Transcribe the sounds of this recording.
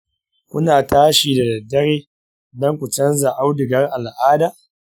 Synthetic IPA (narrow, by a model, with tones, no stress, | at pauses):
kʷʊ˦naː˨tʰaː˦ʃiː˨da˨dɐ˨dːɐ˦ɾeː˦ | dɐ˦ŋkʷʊ˨t͡ʃɐ˦nza˨ʔa˦wdɪ˨ɡɐ˦rʔa˨lʔaː˦daː˦˨ʔ